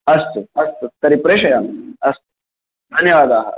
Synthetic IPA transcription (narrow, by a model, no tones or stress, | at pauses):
ɐst̪əɐst̪ət̪ɐɾipɾeɕɐjanɐst̪ | d̪ʱɐnjəʋaːd̪aːɦa̰